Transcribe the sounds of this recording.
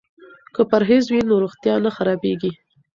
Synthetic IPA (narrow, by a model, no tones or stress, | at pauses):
kəpaɾɦezwinoɾoxt̪jɑnaxaɾɑbeɡi